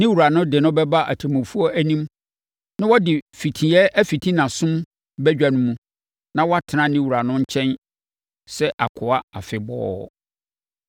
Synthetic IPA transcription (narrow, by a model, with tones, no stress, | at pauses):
nɪ̃˦wu˨ɾa˨nʊ̃˦dɪ˨nʊ̃˦bɛ˦ba˦ʔæ˨tʰe˨mʊ̃˨fu˦ɔ˦æ˦nĩ˦m | nã˦wɔ˦dɪ˨fi˨tʰĩ˨ɛ˦ʔæ˦fi˨tʰĩ˦nã˨sʊ̃˦m | bɛ˦d͡ʑᶣa˨nʊ̃˦mũ˦ | nã˦wɔ˦a˦tʰɪ˨nã˨nɪ̃˦wu˨ɾa˨nʊ̃˦ɲ̩˦t͡ɕʰɛ̃˦n | sɛ˦ʔa̰˨kʰʊ˨a˦a˨fɪ˨bɔ̰ː˦